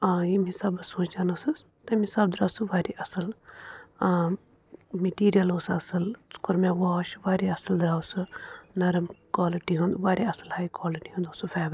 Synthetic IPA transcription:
jimisabɐsoːt͡ʃd͡ʒaːnosɨ | t̪ɐmĩsabd̪ɾaːwsɨʋaːɾiʔɐsɨl | meʈiːɾijɐloːsɐsɨlt͡su̥koɾmɛ̃ʋaːʃʋaːɾiɐsəld̪ɾaːwsɨnɐɾmkwaːliʈiɦũːnd̪ʋaːɾiɐsəlhaːikwaːliʈiɦũnd̪oːsɨfʰɛːʋɾ

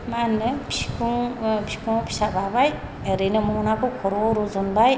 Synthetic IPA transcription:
manɯpʰikuŋpʰi̥kʰuŋpʰi̥sababaj | eɾɯnɯmunakʰɯkʰɔɾɔɾuzɔnbaj

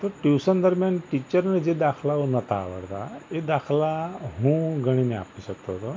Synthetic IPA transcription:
t̪əʈjuːsənd̪əɾmjanʈit͡ɕəɾned͡ʑed̪akʰlaɦonət̪a̰ːʋə̰ɽt̪a̰ed̪akʰlaɦũɡʱəɽ̃inea̰piɕəkt̪oɦt̪o

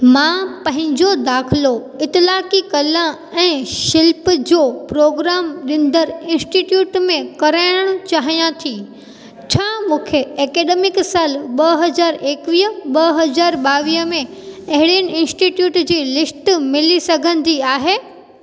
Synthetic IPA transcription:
mãːpɐ̃ɦɪ̃ɲd͡ʑod̪aːxʰɪlo | ɪt̪ɪlaːkikɐlə | ɛ̃ːʃɪlpd͡ʑoːpɾoːɡɾaːmɗɪ̃n̆d̪əɾɪ̃nsʈiːʈjuːʈmẽkɐɾaːɪɽ̃əɽ̃ʊ̆t͡ɕaːɦijãt̪ʰi | t͡ɕʰaːmũːkʰeɛːkeːɗeːmɪksaːlɓɐɦɐzaːɾeːkʋiːɦəɓɐɦɐzaːɾɓaːʋiːɦəmẽɐɦɪɽiənɪ̆ɪ̃nsʈiːʈjuːʈd͡ʑiːlɪsʈmɪlisɐɡʱə̃n̆d̪iaːɦeː

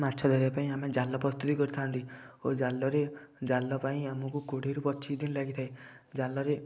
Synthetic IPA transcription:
matːʃʰɔd̪ʱɔɾijapaĩamed͡ʒalːɔpɾɔst̪ut̪ikɔɾit̪ʰant̪io̰d͡ʒalːɔɾed͡ʒalːɔpaĩamɔkukoɽeɾupɔt͡ʃʰid̪inlaɡit̪ʰaed͡ʒalːɔɾe

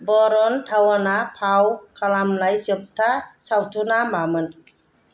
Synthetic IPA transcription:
bɔɾɔntʰawanapʰawkʰalamlajsɯp̚tʰasawtʰunamamɯn

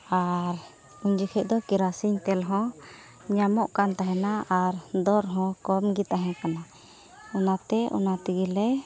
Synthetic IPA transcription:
aɾ | uɲd͡ʒikʰɛʔ̚d̪ɔkiɾasiɲt̪ɛlɦɔ̃ | ɲamɔʔkant̪aɦɛnaaɾd̪ɔɾɦɔ̃kɔmɡit̪aɦɛ̃kana | ɔnat̪ɛʔɔ̰nat̪iɡilɛ

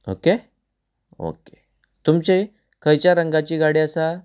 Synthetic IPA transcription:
o̰ke | o̰ke̥ | t̪umt͡ɕe | kəjt͡ɕjaɾəŋɡat͡ɕiːɡaɽiːəsa

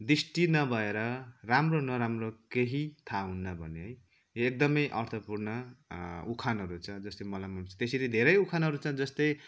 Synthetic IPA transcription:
d̪ɾisʈinʌbʱʌeɾʌramronʌɾamrokeɦit̪ʰaɦunːʌbʱʌneɦʌj | oek̚d̪ʌmʌjʔʌrt̪ʰʌpurnʌ | ukʰanɦʌɾut͡sʰʌ̃d͡zʌst̪emʌlamʌnt͡sʰʌ̥̃t̪eseɾed̪ʱeɾʌjukʰanɦʌɾut͡sʰʌ̃d͡zʌst̪ʌj

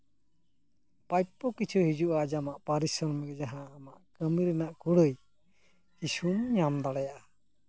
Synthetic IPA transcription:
pajpːɔkit͡ʃʰuhid͡ʒuʔad͡ʒamaʔpaɾisɔɾmɛɡɛd͡ʒaɦaːmaʔkəmiɾɛnaʔkuɽəj | kisumɲamd̪aɽɛjaʔa

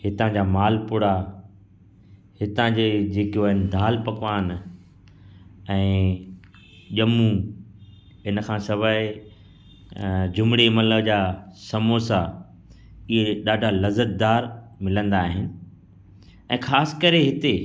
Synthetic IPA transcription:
hɪt̪ãd͡ʑaːmaːlpʊɽa | hɪt̪ãd͡ʑed͡ʑeːkoaːɦɪnɪ̆d̪ʱaːlpɐkʋaːn | ɛ̃ː | ʄɐmũ | ɪnkʰãːsɐʋaɪ | d͡ʑʊmɽemɐləd͡ʑaːsɐmoːsa | ɪɦeɗaːɖʱalɐzət̪̚d̪aːɾmɪlə̃nd̪aːɦɪnɪ̆ | ɛ̃ːxaːsɪ̥kɐɾeɦɪt̪e

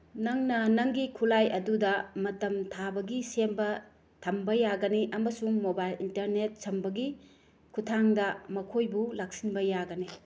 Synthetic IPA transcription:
nɐŋnɐnɐŋɡikʰulajɐdudɐmɐtɐmtʰabɐɡisembɐ | tʰɐmbɐjaɡɐniʔɐmɐsuŋmobajlintɐɾnet̚sɐmbɐɡi | kʰutʰaŋdɐmɐkʰojbulak̚sinbɐjaɡɐni

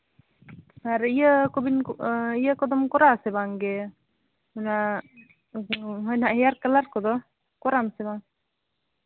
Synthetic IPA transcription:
aɾijəkɔbinijəkɔd̪ɔmkɔɾasɛbaŋɡe | una | ɦɔjnaʔɦɛjaɾkalaɾkɔd̪ɔ | kɔɾamsɛbaŋ

